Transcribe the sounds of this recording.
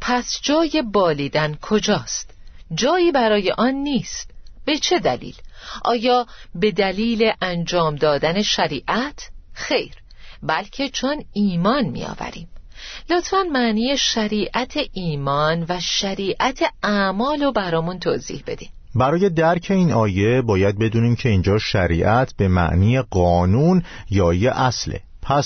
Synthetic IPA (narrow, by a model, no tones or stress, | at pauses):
pʰæsd͡ʒɒːje̞bɒːliːd̪ænkʰo̞d͡ʒɒːst̪d͡ʒɒːiːbæɾɒːje̞̰ʔɒnːiːst̪b̥e̞t͡ʃʰe̞d̪ælḭːlʔɒ̰ːjɒːbe̞d̪æliːle̞ʔænd͡ʒɒːmd̪ɒːd̪æne̞ʃæɾiːʔæt̪ʰxe̞jɾ | bælcʰe̞t͡ʃʰo̞niːmɒːnmḭjɒ̰ːvæ̰ɾḭːmlot̪fænmæʔniːjeʃæɾiːʔæt̪ʰeʔiːmɒːnvæʃæɾiːʔæt̪ʰe̞æmɒːlobæɾɒːmunt̪ʰozḭːhb̥e̞̰d̪̥iːm | bæɾɒːje̞d̪æɾcʰe̞iːnɒːje̞bɒːjæd̪̚be̞d̪uːniːmcʰe̞iːnd͡ʒɒːʃæɾiːʔæt̪ʰb̥e̞mæ̰ʔniːjeɢɒːnunjɒːieʔæslḛ | pʰæs